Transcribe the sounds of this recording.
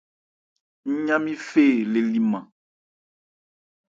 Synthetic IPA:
ɲ̩˦ɲã˦mĩ˦fe˦˨le˨li˨mã˨

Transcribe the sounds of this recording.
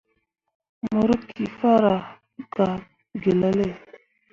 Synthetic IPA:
mo˨ɾə˦kʰi˨fa˦ɾa˨˦ | ka˨ | ɡe˨la˦le˦˨

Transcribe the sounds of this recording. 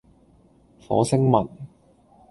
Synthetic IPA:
fɔ̰ː˨˥sɪ˥ŋmɐ˨˩n

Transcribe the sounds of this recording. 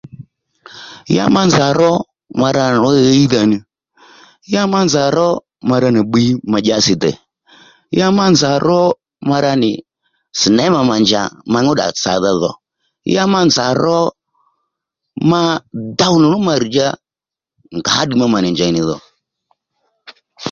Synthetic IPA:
ja̰˦ma˦nza˨ɾɔ˦ | ma˧ɾa˧n˨ɔ˦i˦ða˧nɪ˧ | ja˦ma˦nza˨ɾɔ˦ | ma˧ɾa˧nɪ˨ɓi˧˦ma˨˧d͡ʒa˧sɪ˨dɛ̰˨ | ja˦ma˦nza˨ɾɔ˦ | ma˧ɾa˧nɪ˨ | si˨nɛ˨˦ma˧ma˨nd͡ʒa̰˨ma˧ɲ˦u˦ɗa̰˨t͡sa̰˨ða˧ðɔ̰˨ | ja˦ma˦nza˨ɾɔ˦ | ma˦da˦wu˦nɪ˨ɾʊ˦ma˧ɾi˨d͡ʒa˦ | ŋɡa˨˦ɗi˨ma˦ma˨nɪ˨nd͡ʒa˨nɪ˨ðɔ̰˨

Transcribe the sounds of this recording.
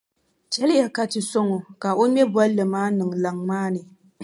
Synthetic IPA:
t͡ʃɛ˦ljɛ˨ka˦tɨ˨so˦ŋɔ˨ka˨o˦mɛ˦bɔ˦llɨ˨maː˦nɨ˨ŋla˨ŋmaː˦nɨ˨

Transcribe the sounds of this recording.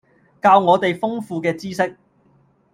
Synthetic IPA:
kaː˧wŋɔː˨˧t̪e˨jfʊ˥ŋfuː˧kɛː˧t͡siː˥sɪ˥k̚

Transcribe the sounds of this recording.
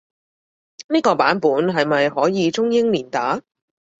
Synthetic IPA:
niː˥kɔː˧paː˨˥npuː˨˥nɦɐ˨jmɐ˨jhɔː˨˥jiː˨˧t͡sʊ˥ŋjɪ˥ŋliː˨˩nt̪aː˨˥

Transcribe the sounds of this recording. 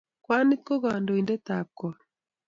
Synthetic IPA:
kwa˦ni˦tko˦ɣa˨ndo˨i˨ndɛ˦ta˨kːɔ˨

